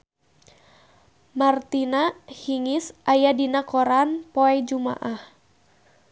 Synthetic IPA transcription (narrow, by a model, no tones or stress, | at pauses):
mart̪inahiŋisʔajadinakɔɾanpɔɛd͡ʒuma̰ʔah